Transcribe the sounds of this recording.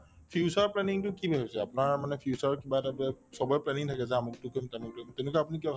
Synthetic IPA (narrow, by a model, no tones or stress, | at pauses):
pʰjusaɹplɛniŋtʊkibʱaɦojsɛ̰a̰pʊnaɹmanɛpʰiusaɹkibaɛtabɛsɔbɔjɔplɛniŋtʰakɛzɛamʊk̚tʊkojmtɛmʊk̚tomtɛʊ̃nukɛapunikibakʰ